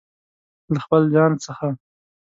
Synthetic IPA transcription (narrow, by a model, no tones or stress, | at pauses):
laxpəld͡ʒɑnsəxa